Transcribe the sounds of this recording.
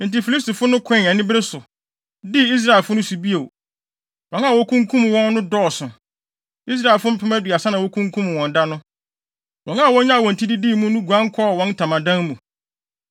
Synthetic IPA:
n̩˨ti˨fi˨li˦stu˨fʊ˦nʊ̃˦kʰɛ̃˦˨nɛ˨nɪ̃˦bɾɪ˦sʊ˨ | di˦i˦s̬ɾa˨ɛ˨lfʊ˦nʊ̃˦su˨bi˦e˨w | wɔ̃˨na˦˨wɔ˦kʰũ˦ŋkʰũ˦m˨wɔ̃˦nː˦ʊ̃˦dɔː˦˨sʊ̃˨ | i˦s̬ɾa˦˨ɛ˨lfʊ˦m̩˦pʰɪ˦mɛ̃˦di˨a˨sa˦nã˨wɔ˦kʰũ˦ŋkʰũ˦m˨wɔ̃˨n˨da˦nʊ̃˦ | wɔ̃˨na˦˨wɔ̃˦ɲã˦˨wɔ̃˨n̩˨tʰi˦di˦diː˦˨mũ˦nũ˦ɡu˨ã˦ŋ˦kʰɔ˦˨wɔ̃˦ntʰã˨mã˨dã˦nmũ˨

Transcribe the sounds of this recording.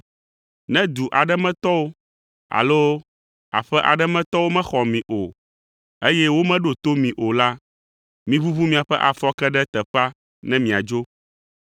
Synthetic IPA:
nɛ̃˦d̪u˨ʔa˨ɖɛ˦mɛ̃˦t̪ɔ˦wo˦ | a̰˨lo˦ | a̰˨ɸɛ˦ʔa̰˨ɖɛ˦mɛ̃˦t̪ɔ˦wo˦mɛ̃˦xɔ˨mĩ˨ʔo˨ | e˦jɛ˦wo˦mɛ̃˦ɖo˨t̪o˦mĩ˨ʔo˨la˦ | mĩ˦βu˦βu˦mĩ˨a˨ɸɛ˦ʔa˨fɔ˦kɛ˦ɖɛ˦t̪ɛ˨ɸa˦ | nɛ̃˦mĩ˨a˨d͡ʒo˦

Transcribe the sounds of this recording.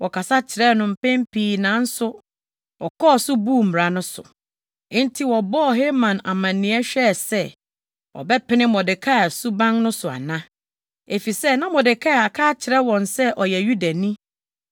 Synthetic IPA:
wʔɔ˨kʰa˨sa˦t͡ɕʰɪ˨ɾɛ˦nʊ̃˨m̩˨pʰɛ̃˦mpʰiː˦nã˨˦n̩˦sʊ˦ | ɔ˨kʰɔː˦˨sʊ˦buː˦˨m̩˨m˨ɾa˨nʊ̃˦sʊ̰̃˨˦ | n̩˦tʰi˦wɔ˨bɔ˦ɔ˨ɦe˦mã˨na̰˨mã˨nːɪ̃˨˦ɛ˦ɕᶣɛ˦˨sɛ˦ | wʔɔ̰˨bɛ˦pʰɪ˦nɪ̃˦mɔ˨dɪ˨kʰa˦˨su˦bã˦ŋnʊ̃˦sʊ˨a̰˨nã˦ | e˨fi˨sɛ˦nã˦mɔ˨dɪ˨kʰa˦˨a˨kʰaː˦t͡ɕʰɪ˨ɾɛ˦wɔ̃˨nsɛ˦ʔɔ˨jɛ˨ju˦da˨nĩ˦

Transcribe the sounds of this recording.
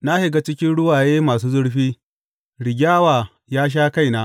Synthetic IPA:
na˦hɪ˨ɡa˦t͡ʃɪ˦kʲɪ˦nɽʊ˦waː˨jeː˦maː˨suː˦zʊ˦ɽɸiː˦ | ɽɪ˨ɡʲaː˦waː˨ | jaː˦ʃ̬aː˦ka˦jnaː˦

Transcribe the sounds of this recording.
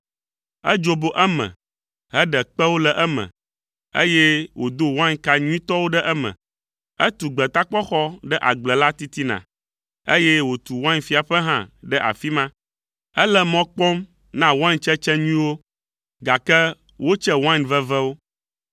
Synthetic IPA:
ɛ˦d͡ʒo˦bo˦ʔɛ˦mə̰̃˨ | ɦɛ˦ɖɛ˨k͡pɛ˦wo˦lɛ˨ʔɛ˦mɛ̰̃˨ | ḛ˦jɛ˦wo˨d̪o˦wã˦ɲka˦ɲũ˦ĩ˦t̪ɔ˦wo˦ɖɛ˦ʔɛ˦mɛ̰̃˨ | ɛ˦t̪u˨ɡ͡bɛ˨t̪a˦k͡pɔ˦xɔ˦ɖɛ˦ʔa˨ɡ͡blɛ˨la˦t̪i˦t̪i˦nã̰˨ | e˦jɛ˦wo˨t̪u˨wã˦ɲfi˨˦a˨ɸɛ˦ɦã˦ɖɛ˦ʔa̰˨fi˦mã˦ | ɛ˦lɛ˦mɔ̃˦k͡pɔ˦m | nã˦wa˦ɲt͡ʃɛ˦t͡ʃɛ˦ɲũ˦ĩ˦wo˦ | ɡa˨kɛ˦ | wo˦t͡ʃɛ˦wã˦ɲvɛ˦vɛ˦wo˦

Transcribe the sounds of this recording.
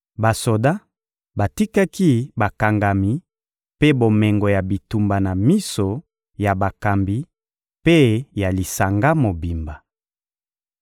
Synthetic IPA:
ba˨so˨da˦ | ba˨ti˦ka˦ki˦ba˨ka˨ŋɡa˨mi˨ | pe˦bo˨mɛ˨ŋɡo˨ja˨bi˨tu˨mba˨na˨mi˦so˨ | ja˨ba˨ka˨mbi˦ | pe˦ja˨li˨sa˨ŋɡa˦mo˨bi˨mba˨

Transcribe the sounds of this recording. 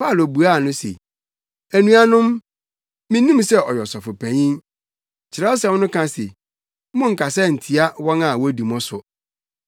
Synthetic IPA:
pʰa˦˨lo˨bu˨a˦˨nʊ̃˦sḛ˨ | æ˨nũ˦a˦nʊ̃˦m | mĩ˦nũ˦m˦sɛ˦ɔ˨jɔ˨sɔ˨fʊ˨pʰæ̃˨ɲĩ˦ | t͡ɕʰɪ˨ɾɛ˦ɔ˦s̬ɛ˨˦nʊ̃˦kʰã˦sḛ˨ | mʊ̃˦ŋ̩˨kʰa˨sɛ˦˨n̩˨tʰi˨a˦wɔ̃˦nã˨wɔ˦di˨mɔ̃˦sʊ˨

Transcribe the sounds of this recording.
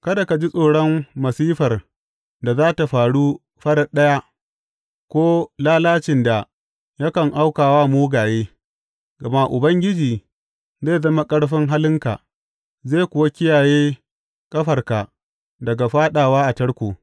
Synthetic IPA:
kɐ˦da˨ka˨d͡ʒi˦sʼoː˨ɽɔ˦mmɐ˨siː˦ɸɐ˨r | da˨zaː˦ta˨ɸaː˨ɽu˦ | ɸɐ˦ɽɐ˨ɗɐ˦ja˦ | kʷoː˦laː˦laː˦t͡ʃɪ˨nda˨ | ja˦kɐ˨ŋʔa˦wkaː˨waː˦moː˦ɡaː˨jeː˦ | ɡɐ˨ma˦ʔʊ˨bɐ˦ŋɡʲɪ˦d͡ʒiː˨ | zeː˦˨zɐ˦ma˦kʼɐ˦ɽɸɪ˦ŋɦa˦lɪ˦ŋka̰˨ | zeː˦˨kʷʊ˨wa˦kʲɪ˦jaː˨jeː˦ | kʼɐ˦ɸɐ˨rka˨ | dɐ˨ɡa˨ɸaː˦ɗaː˨waː˦ʔa˨tɐ˦ɽkʷuː˨

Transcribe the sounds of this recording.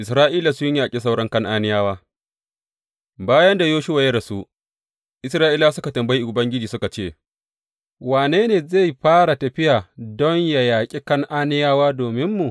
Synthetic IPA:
ʔɪ˨sɾaː˦ʔiː˦la˨sʊ˦jaː˨kʲʼe˦s̬a˦wɽɐ˦ŋkɐ˦ŋʔaː˦nɪ˦jaː˦waː˦ | baː˦jɐ˦nda˨joː˦ʃʊ˦wa˨jɐ˦da˨su˦ | ʔɪ˦sɾaː˦ʔiː˦laː˦sʊ˦ka˨tɐ˨mbɐ˦ji˦˨ʊ˨bɐ˦ŋɡʲɪ˦d͡ʒiː˨sʊ˦ka˨t͡ʃeː˦˨ | waː˨neː˦neː˨za˦˨jɸaː˦ɽa˨tɐ˨ɸɪ˦jaː˨dɔ˦ɲja˨jaː˨kʲʼi˦kɐ˦ŋʔaː˦nɪ˦jaː˦waː˦doː˨mɪ˦mːu˨

